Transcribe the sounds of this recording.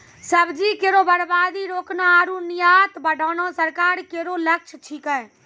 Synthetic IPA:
səbd͡ʒikeɾobəɽbaːd̪iɾoːknaaɾunijaːt̪bəɖʱɔːnõsəɾkaːɾkeɾolək̚t͡ʃʰt͡ʃʰikɛ̃

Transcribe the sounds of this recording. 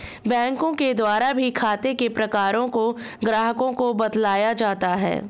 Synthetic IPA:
bɛ̃ːŋkõked̪waːɾabʱikʰaːt̪ekepɾɐkaːɾõko | ɡɾaːɦəkõkobɐd̪laːjad͡ʒaːt̪aɦɛ̰ː

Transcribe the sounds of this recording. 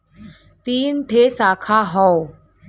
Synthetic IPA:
t̪iːnʈʰesakʰaɦɔw

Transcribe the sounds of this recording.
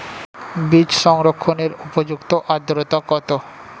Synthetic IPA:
bid͡ʑʃɔŋɾokʰːoneɾupod͡ʑukt̪oʔad̪ɾot̪akɔt̪o

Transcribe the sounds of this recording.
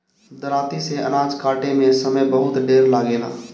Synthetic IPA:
d̪əɾaːt̪iseə̰naːd͡ʒkaːʈemẽsəməjbəɦʊt̪ɖeːɾlaːɡeːla̰ː

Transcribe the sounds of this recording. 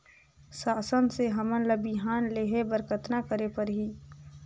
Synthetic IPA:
saːsənseɦɐmənləbiɦaːnleːɦebəɾkət̪nakəɾepəɾɦiː

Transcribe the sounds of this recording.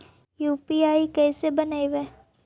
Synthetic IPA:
juːpiaːikɛːsebɐnaːiʋɛː

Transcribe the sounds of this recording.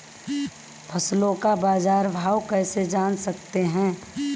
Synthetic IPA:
pʰəslõkabaːzaːɾbʱaːwkɛːsed͡ʒaːnsɐk̚t̪eɦɛ̃ː

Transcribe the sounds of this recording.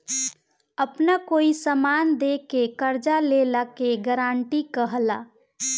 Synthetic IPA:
əpnakoːisəmaːnd̪ekekəɾd͡ʒalelakeɡəɾaːɳʈikəɦla̰ː

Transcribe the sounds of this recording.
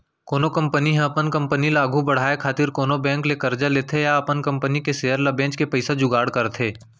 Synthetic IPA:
koːnokɐ̃mpəniɦɛ̃ɐpənkɐ̃mpənilaːɡʱubɐɽ̤aːekʰaːt̪ɪɾkoːnobɛ̃ːŋklekɐɾd͡ʒaleːt̪ʰejaɐpənkɐ̃mpənikeseːəɾlɐbɛ̃ːt͡ʃkepɐɪsad͡ʒʊɡaːɽkɐɾt̪ʰeː

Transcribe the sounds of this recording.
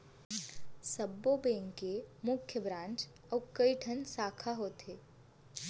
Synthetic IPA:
səbːobẽːŋkemʊkʰjəbɾãːnt͡ʃ | ɔːkəiʈʰənsaːkʰaɦoːt̪eː

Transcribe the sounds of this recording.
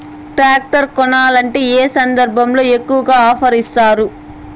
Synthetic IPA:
ʈɾaːk̚ʈɐɾkɔnaːlɐɳʈe̞ːeːsɐnd̪ɐɾbʱɐmlo̞ːekːuʋɐɡaːaːpʰɐɾist̪aːɾu

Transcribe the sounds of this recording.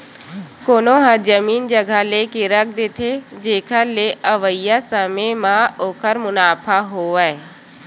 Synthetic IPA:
koːnoɦãd͡ʒəmiːnd͡ʒəɡʱalekeɾək̚ʰd̪et̪ʰed͡ʒeːkʰəleʔəʋəijasəmemãoːkʰəɾmʊnaːpʰaɦoːaeː

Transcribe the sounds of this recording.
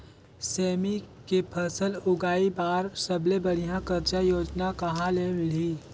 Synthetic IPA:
sɛːmi | kepʰəsəlʊɡaːibaːɾsɐblebɐɽijãkəɾt͡ʃajoːd͡ʒnakɐɦãlemɪliː

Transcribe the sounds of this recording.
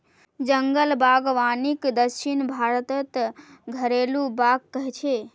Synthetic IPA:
d͡ʒəŋɡəlbaɡʋanikd̪əʃʰinbʱaɾət̪ət̪ɡʱəɾelubaɡkəɦɛt͡ʃʰe

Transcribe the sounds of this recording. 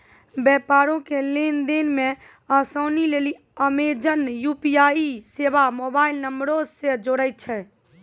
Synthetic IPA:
bɛpaɾõkelend̪enmẽ | əsoːnileli | əmed͡ʒənjupiaisebamobaːilnəmbɾod͡ʒsed͡ʒoɽəɪt̪̚t͡ʃʰɛ

